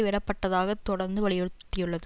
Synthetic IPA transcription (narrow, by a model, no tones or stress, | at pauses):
ʋɛɽɐpːɐʈːɐðaːɣɐt̪ːɔɽɐɾnd̪ɯʋɐɭɪjɛɽɯt̪ːɪjɯɭːɐðɯ